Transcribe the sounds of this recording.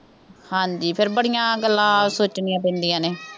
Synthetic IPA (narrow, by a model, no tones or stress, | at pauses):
hãːɲd͡ʒiːpʰɪɾbəɽɪjãːɡəlːãːsoːt͡ʃniːãːpɛ̃ːnd̪ɪjãːneː